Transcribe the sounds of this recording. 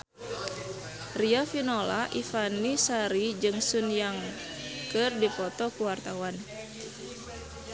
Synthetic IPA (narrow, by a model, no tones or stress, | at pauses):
riafinola̰ʔifanisaɾid͡ʒɨŋsunjaŋ | kɨrdipɔt̪ɔkuwart̪awan